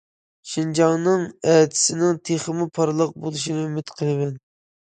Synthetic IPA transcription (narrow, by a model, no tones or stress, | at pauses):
ʃind͡ʒɑŋnɨŋɛt̪ʰɪ̥sɪnɪŋt̪ʰeχəmɨpʰɑɾlˠəq̚bolˠuʃinɨymɪt̪qʰəlˠɨmɛn